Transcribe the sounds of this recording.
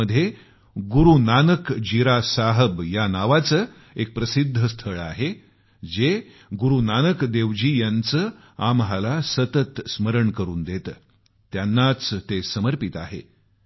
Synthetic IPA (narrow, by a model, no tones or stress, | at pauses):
əd̪ʱːje | ɡuɾunanəkd͡ʑiɾasaɦəbjanaʋat͡sə | ek̚pɾəsid̪ʱːəst̪ʰəɭa̰ɦe | d͡ze | ɡuɾunanəkd̪eʋd͡ʑiːjant͡səː | amɦalasət̪ət̪sməɾəɳkəɾuːnd̪et̪ː | janːat͡st̪esəməɾpit̪a̰ɦḛ